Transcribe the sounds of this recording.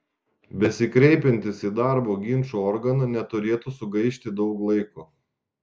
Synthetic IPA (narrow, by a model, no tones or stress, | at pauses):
bʲɛsʲɪkɾʲɛɪpʲɛnʲt̪ʲɪsiːd̪ɑˑɾboːɡʲɪnʲt͡ʃuɔɾɡɐnɐnʲɛt̪ʊɾʲeːt̪usʊɡɐɪʃʲt̪ʲɪd̪ɒʊklˠɐɪku